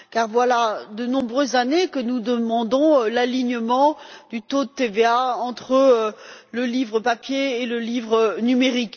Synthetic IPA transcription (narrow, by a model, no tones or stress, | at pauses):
kaʁvwalad̪ənɔ̃bʁøzːanekənud̪əmɑ̃d̪ɔ̃laliɲəmɑ̃d̪̥yt̪od̪ət̪eveaɑ̃t̪χələlivʁəpapjeːləlivʁənymeʁik